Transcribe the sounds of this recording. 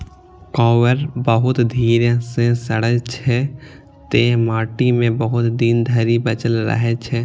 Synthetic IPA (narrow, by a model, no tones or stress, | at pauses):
kɔːwəɾbəɦʊt̪d̪ʱiːɾesẽsəɽət͡ʃʰɛ | t̪eːɦmaːʈimẽbəɦʊt̪d̪iːnd̪ʱəɾibət͡ʃəlɾə̰ɦɛt͡ʃʰɛ